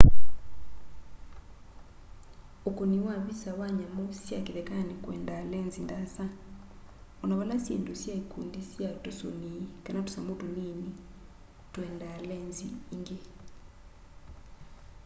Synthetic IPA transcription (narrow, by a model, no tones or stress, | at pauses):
okoniwaβisawaɲamosjakeðɛkanekwɛ̰ndalɛnzindasa | ɔnaβalasjḛndosjaikundisjatoso̰niikanato̥samotonini | twɛndalɛnzḭːŋɡe